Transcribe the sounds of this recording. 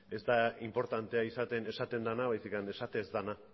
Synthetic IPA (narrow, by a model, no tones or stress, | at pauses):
e̞zd̪aimpo̞ɾt̪ant̪e̞aisat̪e̞ne̞sat̪e̞nd̪anaβajsikane̞sat̪e̞zd̪ana